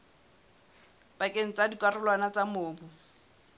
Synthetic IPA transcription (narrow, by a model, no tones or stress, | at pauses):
bakʼeŋ̩t͡sʼadikʼwarʊlwanat͡samʊːbʊ